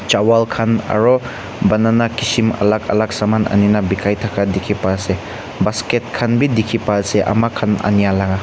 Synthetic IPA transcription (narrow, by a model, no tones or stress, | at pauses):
t͡ʃawalkʰanɐ̰ɾɔ | bɐnanakisimɐ̰lakɐ̰lak̚samanʔɐ̰ninabikʰajtʰakʰadikʰipase | basket̚kʰanbidikʰipaːseʔɐ̰makʰanɐ̰nijalaɡa